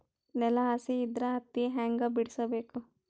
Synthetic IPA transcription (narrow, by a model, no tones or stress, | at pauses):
nɛlɐɦɐsiːd̪ɾɐɐt̪ːiɦaːŋɡɐbiɽisɐbeːku